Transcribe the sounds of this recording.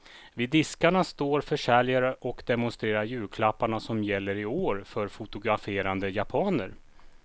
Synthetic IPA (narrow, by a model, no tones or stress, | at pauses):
vɪːd̪ːɪskaɳast̪oːɾfœʂɛlɪjaɾəʔɔkd̪ɛmʊnst̪ɾeːɾaɾjʉ̟ːlkʰlapːaɳasɔmjɛlːəɾɪoːɾfœɾfʊt̪ʊɡɾafeːɾand̪əjapʰɑːnəɾ